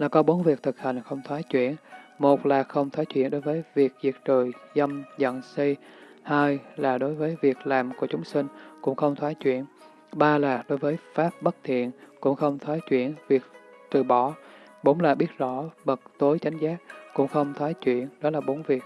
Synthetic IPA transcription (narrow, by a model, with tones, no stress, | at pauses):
laː˨˩kɔ˨˦ɓo˨˦nvi˨˩ək̚t̪ʰɨ˨˩k̚hi˨˩ŋ̟xə˧wŋ͡mt̪ʰwaː˨˦jt͡ɕwḭ˧˨ənmo˨˩t̚laː˨˩xə˧wŋ͡mt̪ʰwaː˨˦jt͡ɕwi˧˩ənɗo˨˦jvəː˨˦jvi˨˩ək̚zi˨˩ək̚t͡ɕəː˨˩jzə˧mzə̰˧˨nsi˧j | haː˧jlaː˨˩ɗo˨˦jvəː˨˦jvi˨˩ək̚laː˨˩mku˧˩ət͡ɕʊ˨˦ŋ͡msï˧ŋ̟kʊ̰˧˥ŋ͡mxə˧wŋ͡mt̪ʰwaː˨˦jt͡ɕwḭ˧˩˨ən | ɓaː˧laː˨˩ɗo˨˦jvəː˨˦jfaː˦˥p̚ɓə˦˥t̚t̪ʰḭ˧˨ənkʊ̰˧˥ŋ͡mxə˧wŋ͡mt̪ʰwaː˨˦jt͡ɕwḭ˧˩˨ənvi˨˩ək̚ | t̪ɨ̰˧˨ɓɔ˧˩˦ | ɓo˧˦ŋ͡mlaː˨˩ɓi˦˥ət̚zɔ˧˩ɓə˨˩k̚t̪o˨˦jt͡ɕa˨˦jŋ̟zaː˦˥k̚kʊ̰˧˥ŋ͡mxə˧wŋ͡mt̪ʰwaː˨˦jt͡ɕwḭ˧˨ənɗɔ˨˦laː˨˩ɓo˨˦nvi˨˩ək̚